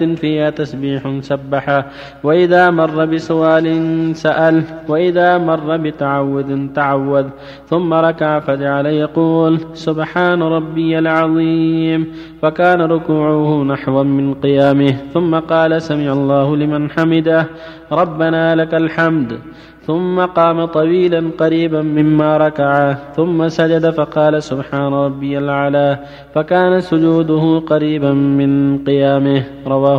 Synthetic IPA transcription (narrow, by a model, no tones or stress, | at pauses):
nfiːhaːt̪asbiːħsabːaħa | waʔɪðaːmɑrˤːɑbɪsʊʔaːlɪnsaʔalwaʔɪðaːmɑrˤːɑbɪt̪aʕawːʊd̪ɪnt̪aʕawːad̪ | θʊmːaɾˤɑkaʕafad͡ʒaʕalajɑquːlsʊbħaːnaɾˤɑbːɪjalʕɑðˤiːm | fakaːnaɾˤʊkuːʕʊhʊnaħwamɪnqɨjaːmɪhθʊmːaqɑːlasamɪːʕalˤːɑːhʊlɪmanħamɪd̪a | ɾˤɑbːanaːlakalħamd̪ | θʊmːaqɑːmat̪ˤɑwiːlanqɑɾiːbamɪmːaːɾˤɑkaʕaθʊmːasad͡ʒad̪afɑqɑːlasʊbħaːnaɾˤɑbːɪjalʕalaː | fakaːnasʊd͡ʒuːd̪ʊhʊqɑɾiːbamɪnqɨjaːmɪh | ɾˤɑwaː